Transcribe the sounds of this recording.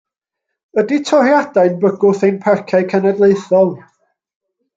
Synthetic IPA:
əditʰɔrjad̥aɨnbəɡʊθejnpʰɛrkʰaɨkʰənədlˠeɨθɔlˠ

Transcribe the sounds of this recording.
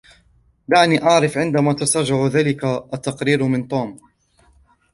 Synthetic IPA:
d̪aʕniːʔɑʕɾɪfʕɪnd̪amaːt̪asɑʒʊʕðaːlɪkaʔat̪ːɑqɾiːɾmɪnt̪ˤuːm

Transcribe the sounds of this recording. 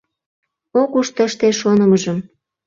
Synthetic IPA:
okuʃt̪əʃt̪eʃonə̆məʒəm

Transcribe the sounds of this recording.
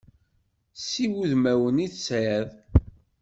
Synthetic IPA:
siwuðmæwəniθsjæð

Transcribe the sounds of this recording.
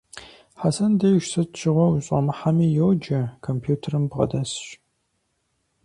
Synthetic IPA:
ħasɐndɐjʃsɨtt͡ʃʰɪʁʷɔwuɕʼɐ̰mɨħamiːjowd͡ʒɐkʰompʰjuːtʰɐrɨmbʁɐ̰dɐsɕʼ

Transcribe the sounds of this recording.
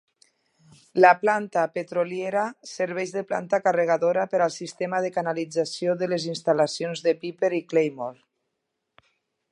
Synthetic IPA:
laplant̪apet̪ɾoljeɾasəɾβ̞ɛʒðəpla̰nt̪akareɣ̞aðoɾapəɾalˠsist̪emaðəkanalid͡zasioðəlezinst̪alasionzðəpipeɾiklejmɔlˠ

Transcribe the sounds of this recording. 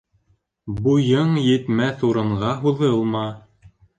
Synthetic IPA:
bujɤɴjɘ̆t̪mæθuɾɤ̆ɴʁɑɦuðɤlˠmɑ

